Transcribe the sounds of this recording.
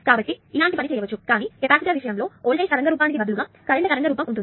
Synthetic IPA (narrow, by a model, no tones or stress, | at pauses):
kaːbɐʈːiilaːɳʈipɐnit͡ʃɛːjɐʋɐt͡ʃːukaːniːet̪aːkit̪aʋiʃɐjɐmlo̞ːoːɭʈeːʃɐɾɐŋɡɐɾuːpaːnik̬ibɐd̪uluɡaː | kɐɾiɳːɐkɐɾɐŋɡɐɾuːpɐmkunɳʈuni